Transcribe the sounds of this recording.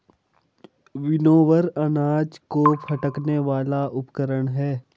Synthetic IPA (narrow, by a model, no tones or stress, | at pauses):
ʋɪnoːʋəɾɐnaːd͡ʒkopʰɐʈəkneʋaːlaʔʊpkəɾəɽ̃ɦɛː